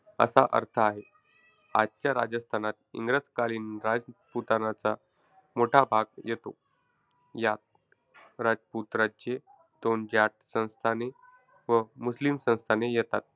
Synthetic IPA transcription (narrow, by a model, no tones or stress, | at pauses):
ə̰saʔə̰ɾt̪ʰəaɦe | a̰d̪̚t͡ɕjaɾa̰d͡zəst̪ʰanat̪̚ḭŋɡɾət͡skaliːnɾad͡zput̪anat͡sa | moʈʰabʱaɡjet̪o | jat̪̚ | ɾad͡zput̪ɾat͡ɕe | d̪ond͡ʑaʈ̚sə̃w̃st̪ʰane | ʋəmuslimsə̃w̃st̪ʰanejɛt̪at̪̚